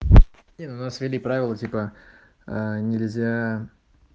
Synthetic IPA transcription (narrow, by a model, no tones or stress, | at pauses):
nʲenʊnasvʲɪlʲipɾavʲɪlˠətʲipə | ənʲɪlʲzʲa